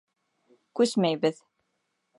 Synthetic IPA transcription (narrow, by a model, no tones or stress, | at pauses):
kʉsmæjbɘð